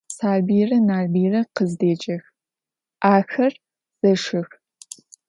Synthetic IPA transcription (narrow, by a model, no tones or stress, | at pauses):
saːlbiːrɐnaːrbiːrɐqəzdeːd͡ʒʼɐx | ʔaːxɐr | z̥ɐʂɨx